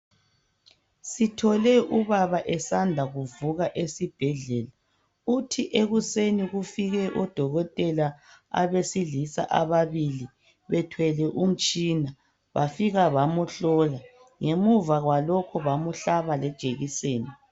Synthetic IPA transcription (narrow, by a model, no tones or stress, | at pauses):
sitʰɔlɛʔuβaβaʔɛsandʱaɣuvuɣaʔesib̥ʱɛɮɛla | utʰiʔeɣuseniɣufiɣɛʔɔd̥ʱɔɣɔtʼɛlaa̰βesiɮisa̰ʔa̰βaβili | βɛtʰwɛlɛʔum̩t͡ʃʼina | βafiɣaβamuɬɔla | ŋemuvaɣwalɔkʰɔβamuɬaβalɛd̥ʒ̥ʱeɣiseːni